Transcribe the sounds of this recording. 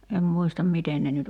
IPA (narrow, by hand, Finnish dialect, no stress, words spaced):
em muistɑm miten ne nyt